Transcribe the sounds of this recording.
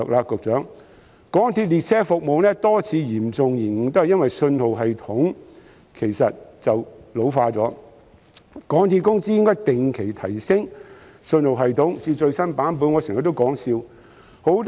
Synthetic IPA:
k̚laː˧kʊ˨k̚t͡ʃœː˨˥ŋ | kɔː˨˥ŋt̪ʰiː˧p̚liː˨t̚sɛː˥fʊ˨k̚mo˨wnɛː˥t̪ɔː˥t͡sʰiː˨˥jiː˨˩mt͡sʊ˨ŋjiː˨˩nŋ̩ː˨˩t̪o˥hɐ˨jɐ˥nwɐ˨jsɵ˧nho˨wɦɐ˨jt̪ʰʊ˨˥ŋ | kʰe˨˩jsɐ˨t̚t͡sɐ˨wlo˨˧wfaː˧t͡sɔː˨˥ | kɔː˨˥ŋt̪ʰiː˧p̚kʊ˥ŋt͡si˥jɪ˥ŋkɔː˥jt̪ɪ˨ŋkʰe˨˩jt̪ʰɐ˨˩jsɪ˥ŋ | sɵ˧nho˨wɦɐ˨jt̪ʰʊ˨˥ŋt͡siː˧t͡ʃɵ˧ɥsɐ˥npaː˨˥np̬uː˨˥nŋɔː˨˧sɪ˨˩ŋjɐ˨t̪̚o˥wkɔː˨˥ŋsiː˧w | ho˨˥wt̪

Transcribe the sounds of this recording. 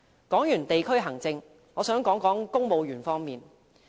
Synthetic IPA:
kɔː˨˥ŋjyː˨˩nt̪e˨jkʰɵ˥ɥɦɐ˨˩ŋt͡sɪ˧ŋ | ŋɔː˨˧sœː˨˥ŋkɔː˨˥ŋkɔː˨˥ŋkʊ˥ŋmo˨˧wjyː˨˩nfɔː˥ŋmiː˨n

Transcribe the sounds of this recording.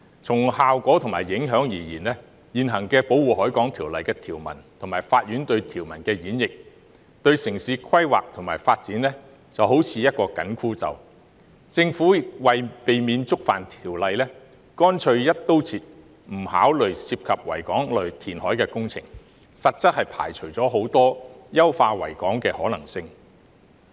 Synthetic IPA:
t͡sʰʊ˨˩ŋhaː˨wkʷɔː˨˥t̪ʰʊ˨˩ŋmaː˨˩jjɪ˨˥ŋɦœː˨˥ŋjiː˨˩jiː˨˩nlɛː˥ | jiː˨˩nɦɐ˨˩ŋkɛː˧po˨˥wuː˨˩ɦɔː˨˥jkɔː˨˥ŋt̪ʰiː˨˩wlɐ˨jkɛː˧t̪ʰiː˨˩wmɐ̰˨˩nt̪ʰʊ˨˩ŋmaː˨˩jfaː˧t̚jyː˨˥nt̪ɵ˧ɥt̪ʰiː˨˩wmɐ˨˩nkɛː˧jiː˨˥njɪ˨k̚ | t̪ɵ˧ɥsɪ˨˩ŋsiː˨˧kʰɐ˥jwa̰ː˨k̚t̪ʰʊ˨˩ŋmaː˨˩jfaː˧t̚t͡siː˨˥nlɛː˥ | t͡sɐ˨wɦo˨˥wt͡sʰiː˨˧jɐ˥t̚kɔː˧kɐ˨˥nkʰuː˥t͡sɐ̰˨˧w | t͡sɪ˧ŋfuː˨˥ɪk̚wɐ˨jpe˨jmiː˨˧nt͡sʊ˥k̚fa̰ː˨˩nt̪ʰiː˨˩wlɐ˧jlɛː˥ | kɔː˥nt͡ʃʰɵ˧ɥjɐ˥t̚t̪o˥wt͡sʰiː˧t̚ | m̩˨˩haː˨˥wlɵ˨ɥsiː˧p̚kʰɐ˨p̚wɐ̰˨˩jkɔː˨˥ŋlɵ˨ɥt̪ʰiː˨˩nhɔː˨˥jkɛː˧kʊ˥ŋt͡sʰɪ̰˨˩ŋ | sɐ˨t̚t͡sɐ˥t̚hɐ˨jpʰa̰ː˨˩jt͡ʃʰɵ˨˩ɥt͡sɔː˨˥ɦo˨˥wt̪ɔː˥jɐ˥wfaː˧wɐ̰˨˩jkɔː˨˥ŋkɛː˧hɔː˨˥lɐ˨˩ŋsɪ˧ŋ

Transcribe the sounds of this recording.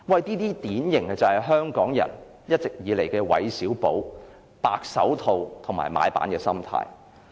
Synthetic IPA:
wɐ˨jt̪iː˥t̪iː˥t̪iː˨˥njɪ˨˩ŋɐ˧t͡sɐ˨hɐ˨jɦœː˥ŋkɔː˨˥ŋjɐ̰˨˩n | jɐ˥t̚t͡sɪ˨k̚jiː˨˧le˨˩jkɛː˧wɐ̰˨˧jsiː˨˥wpo˨˥w | paː˧k̚sɐ̰˨˥wt̪ʰo˨wt̪ʰʊ˨˩ŋma̰ː˨˩jma̰ː˨˧jpa̰ː˨˥nkɛː˧sɐ˥mt̪ʰa̰ː˧˥j

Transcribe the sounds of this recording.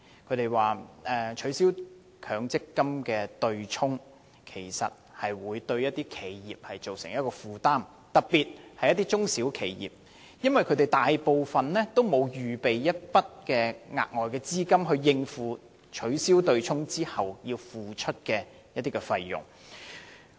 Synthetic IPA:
kʰɵ˨˧˥t̪e˨jwaː˨˩ʔɛː˨t͡ʃʰɵ˨˥ɥsiː˥w | kʰœː˨˧˥ŋt͡sɪ˥kːɐ˥mkɛː˧t̪ɵ˧ɥt͡ʃʰʊ˥ŋ | kʰe˨˩jsɐ̰˨t̚hɐ˨jwuː˨˧jt̪ɵ˧ɥjɐ˥t̚t̪iː˥kʰe˨˧jjiː˨p̚hɐ˨jt͡so˨wsɪ˨˩ŋjɐ˥t̚kɔː˧fuː˨t̪aː˥m | t̪ɐ˨k̚piː˨t̚hɐ˨jːɐ˥t̪i˥t͡sʊ˥ŋsi˨˥wkʰe˨˩jjḭː˨p̚ | jɐ˥nwɐ˨jkʰt̪e˨jt̪aː˨jpo˨wfɐ˨nlɛː˥t̪o˥wmo˨˧wjyː˨pe˨jjɐ˥t̚pɐ˥t̚kɛː˧ŋa̰ː˨k̚ŋɔː˨jkɛː˧t͡siː˥kɐ˥mɦɵ˧ɥjɪ˧ŋfuː˨˧ | t͡ʃʰɵ˨˧ɥsiː˥wt̪ɵ˧ɥt͡sʰʊ˥ŋt͡siː˥hɐ˨wjiː˧wfuː˨t͡ʃʰɵ˥t̚kɛː˧ | jɐ˥t̪iː˥kɛ˧fɐ˧jjʊ̰˨˩ŋ

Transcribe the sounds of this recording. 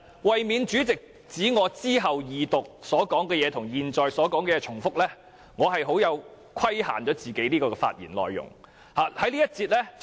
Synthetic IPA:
wɐ˨jmiː˨˧nt͡ʃyː˨˥t͡sɪ˨k̚ | t͡siː˨˥ŋɔː˨˧t͡siː˥ɦɐ˨wjiː˨t̪ʊ˨k̚sɔː˨˥kɔː˨˥ŋkɛː˧jɛː˨˧t̪ʰʊ˨˩ŋjiː˨nt͡ʃɔː˨jsɔː˨˥kɔː˨˥ŋkɛ˧jɛː˨˧t͡ʃʰʊ˨˩ŋfʊ˥k̚lɛː˥ | ŋɔː˨˧ɦɐ˨jɦo˨˥wjɐ˨˧w | kʰɐ˥jha̰ː˨˩nt͡ʃɔː˨˥t͡siː˨˩ke˨˥jniː˥kɔː˧ɛː˧fa̰ː˧t̚jiː˨˩nlɔ̰ː˨jːʊ̰˨˩ŋ | haː˨hɐ˨˥jliː˥jɐ˥t̚t͡siː˧t̚lɛː˥

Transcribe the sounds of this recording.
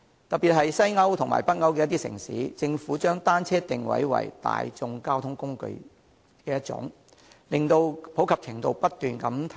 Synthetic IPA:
t̪ɐ˨k̚piː˨t̚ɦɐ˨jsɐ˥jŋɐ˥wt̪ʰʊ˨˩ŋma̰ː˨˩jpɐ˥t̚ŋɐ˥wk̬ɛː˧jɐ˥t̪̬iː˥sɪ̰˨˩ŋsḭː˨˥t͡sɪ˧ŋfuː˨˥t͡ʃœː˥ŋt̪aː˥nt͡sʰɛː˥t̪ɪ˨ŋwɐ̰˨˥jwɐ̰˨˩jt̪a̰ː˨jt͡sʊ˧ŋkaː˥wt̪ʰʊ˥ŋkʊ˥ŋkɵ̰˧ɥ | kɛː˧jɐ˥t̚t͡sʊ̰˨˥ŋ | lɪ˨ŋt̪o˧wpʰwkʰɐ˨p̚t͡sʰɪ˨˩ŋt̪o˧wpɐ˥t̚t̪ːyː˨nkɐ˨˥mt̪ʰ

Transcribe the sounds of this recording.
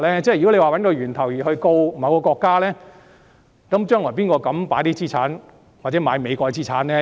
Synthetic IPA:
lɛː˥t͡sɛː˥˩jy˨kle˨˧jwaː˨wɐ˨˥nkɔː˧ɥyː˨˩nt̪ʰɐ˨˩wjiː˨hɵ˧ɥko˧wwkɔː˧kɔː˧kːaː˥lɛː˥ | kɐ˨˦˥mt͡ʃœː˥ŋlɔː˨˩piː˥nkɔː˧kɐ˨˥mpaː˨˥t̪iː˥t͡siː˥t͡sʰa̰ː˨˥n | waː˨˩t͡sɛː˨˦˥maː˨˧jme˨˧kɔː˧t͡siː˥t͡sʰaː˨˥nlɛː˥

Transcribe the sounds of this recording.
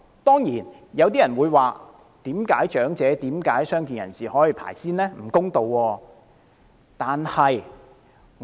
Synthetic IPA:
t̪ɔː˥ŋjiː˨˩n | jɐ˨˧wt̪iː˥jɐ˨˩nwuː˨˧jwaː˨ | t̪iː˨˥mkaː˨˥jt͡ʃœː˨˥ŋt͡sɛː˨˧t̪iː˨˥mkaː˨˥jsœː˥ŋk̬i˨njɐ˨˩nsiː˨hɔː˨˥ji˨pʰa̰ː˨˩jsiː˥nlɛː˥m̩˨˩kʊ˥ŋt̪o˨wːɔː˧ | t̪aː˨nhɐ˨j

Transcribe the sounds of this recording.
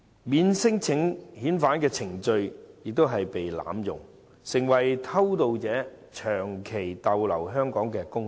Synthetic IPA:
miː˨˥nsɪ˥ŋt͡sʰɪ˨˥ŋhiː˨˥nfaː˨˥nkɛː˧t͡sʰɪ˨˩ŋt͡ʃɵ˧ɥjɪ˨k̚t̪o˥wɦɐ˨jpe˨jla̰ː˨˥mjʊ̰˨˩ŋ | sɪ˨˩ŋwɐ˨˩jt̪ʰɐ˥wt̪o˧wt͡sɛː˨˥ | t͡ʃʰœː˨˩ŋkʰe˨˩jt̪ɐ˨˧wlɐ̰˨˩wɦœː˥ŋkɔː˨˥ŋkɛː˧kʊ˥ŋ

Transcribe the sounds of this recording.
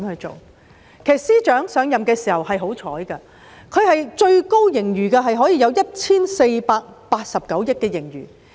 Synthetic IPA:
mhɵ˧ɥt͡so̰˨w | kʰe˨˩stsiː˥t͡ʃœː˨˥ŋsœː˨˧ŋjɐ˨mkɛː˧siː˨˩hɐ˨˩whɐ˨jɦo˨˥wt͡ʃʰɔ̰ː˨˥jkɐ˧ | kʰɵ˨˧ɥhɐ˨jt͡ʃɵ˧ɥko˥wjɪ˨˩ŋjyː˨˩kaː˧ɦɐ˨jɦɔː˨˥jiː˨˧jɐ˨˧wjɐ˥t̚t͡sʰiː˥nse˧jpaː˧k̚paː˧t̚sɐ˨p̚kɐ˨˥wjɪ˥kːɛː˧jɪ˨˩ŋɥy̰ː˨˩

